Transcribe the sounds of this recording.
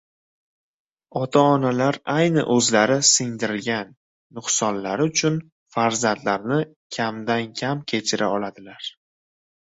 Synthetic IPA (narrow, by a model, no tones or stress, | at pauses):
ɒt̪ʰaɒnalaɾajnɪ̰ʔɵzlaɾɪsɪŋd̪ɪɾɪlɡʲanː | ʊχsɒnlaɾɪʊt͡ʃʰʊn | faɾzant̪laɾnɪ | kʲʰamd̪ankʲʰamkʲʰe̞t͡ʃʰɪɾʔa̰ɒlad̪ɪlaɾ